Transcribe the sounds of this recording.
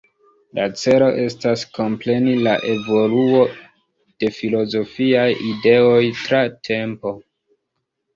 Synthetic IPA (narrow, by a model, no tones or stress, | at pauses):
la̰t͡se̞lo̞ʔe̞stasko̞mple̞nilaʔe̞vo̞luo̞ | d̥e̞filo̞zo̞fiajide̞o̞jtɾatʰe̞mpo̞